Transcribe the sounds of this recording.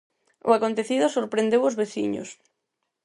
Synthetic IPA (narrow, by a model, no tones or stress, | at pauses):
ʊ̰akont̪eθiðʊsoɾpɾend̪ewʊzβeθḭɲo̰s